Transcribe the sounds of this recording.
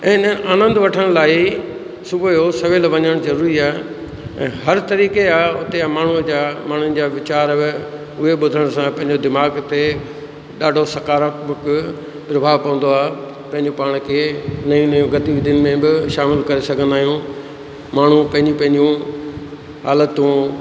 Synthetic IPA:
ɪ̃ːnəʔaːnə̃nd̪ʋɐʈʰəɽ̃laːi | sʊbʱəjosɐʋeːlʋɐɲəɽ̃zɐɾuːɾiaː | ɛ̰̃ːɦɐɾt̪ɐɾiːkeaːʊt̪eamaːɳ̤ud͡ʑaːmaːɳ̤ʊənɪ̆d͡ʑaːʋɪt͡ɕaːɾɐʋɪ | ʊɦeɓʊd̪ʱəɽ̃sãpɐ̃ɦɪ̃ɲ̆d͡ʑod̪ɪmaːɡt̪e | ɗaːɖʱosɐkaːɾakbʊk | pɾɐbʱaːʋpɐ̃ʋə̃nd̪oaː | pɐ̃ɦɪ̃ɲd͡ʑopaːɽ̃kʰeːnɐjũnɐjũɡɐt̪iːʋid̪ɪnmẽbɪʃaːmɪlkɐɾesɐɡʱə̃nd̪aːɦijũ | maːɳ̤upɐ̃ɦɪ̃ɲd͡ʑũpɐ̃ɦɪ̃ɲd͡ʑũ | ɦaːlət̪ũ

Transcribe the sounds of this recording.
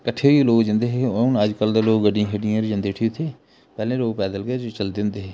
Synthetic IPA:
kəʈʰeːɦoiloːkd͡ʒɪ̃nd̪eːɦenəd͡ʒkəld̪eːloːkɡəɖĩãːɦeɖiãːɾd͡ʒə̃nd̪eːʈʰiːʊt̪ʰːeː | pɛːlẽːloːɡpɛːd̪əlɡət͡ʃəld̪ẽnd̪eːɦeː

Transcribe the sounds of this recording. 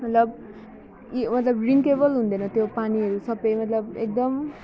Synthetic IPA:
mʌt̪lʌb | mʌt̪lʌbriŋkebʌlɦũnd̪ʌnʌt̪jopaniɦʌɾusʌbʌjmʌt̪lʌbek̚d̪ʌm

